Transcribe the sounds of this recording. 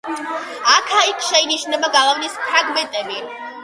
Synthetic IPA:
akʰaikʰʃɛiniʃnɛbaɡalˠavnispʰɾaɡmɛt̪ʼɛbi

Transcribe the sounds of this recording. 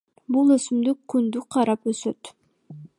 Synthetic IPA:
bulˠøsymd̪ykkːynd̪yqʰɑɾɑpøsø̞t̪

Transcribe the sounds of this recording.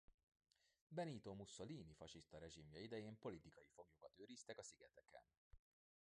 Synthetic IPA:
bɛniːt̪oːmusːo̞liːnifɒʃist̪ɒɾɛʒimjɒid̪ɛjeːmpo̞lit̪ikɒjifo̞ɡjokɒt̪øːɾist̪ɛkɒsiɡɛt̪ɛkɛ̰n

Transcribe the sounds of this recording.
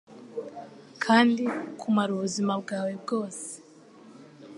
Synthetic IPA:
kʰaːndikʰumaɾuβuzimabɡaːwe̞bɡo̞ːse̥

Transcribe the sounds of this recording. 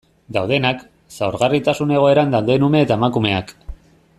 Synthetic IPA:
d̪awðe̞nak | sawɾɣarit̪asune̞ɣ̞o̞e̞ɾand̪ald̪e̞nume̞ːt̪aemakume̞ak

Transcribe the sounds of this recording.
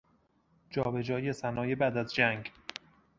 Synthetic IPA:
d͡ʒɒːbe̞d͡ʒɒːjesænɒːjebæd̪æzd͡ʒæŋɡ

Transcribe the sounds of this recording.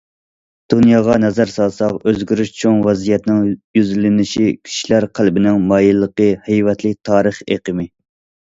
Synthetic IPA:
d̪̥unjɑːʁɑnɛzæɾsɑlˠsɑqøzɡʲyɾyʃt͡ʃʰoŋvɛzijɛt̪nɪŋjyzlɪnɪʃikʲʰi̥ʃilæɾqʰælbɪnɪŋmɑːjilːəqəhɛjvɛt̪lɪk̚ʲt̪ʰɑːɾəχḛqʰəmɨ

